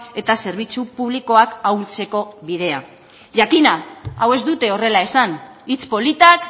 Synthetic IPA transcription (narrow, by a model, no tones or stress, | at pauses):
e̞t̪ase̞ɾβ̞it͡supuβ̞liko̞akawlt͡se̞ko̞βiðe̞a | ʝakinaawe̞zd̪ut̪e̞o̞re̞lae̞san | it͡spo̞lit̪ak